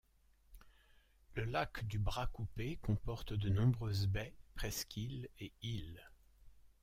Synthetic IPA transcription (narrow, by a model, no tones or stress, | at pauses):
ləlakd̪ybʁakupekɔ̃pɔʁt̪d̪ənɔ̃bʁøzbɛpχɛskʲʰileil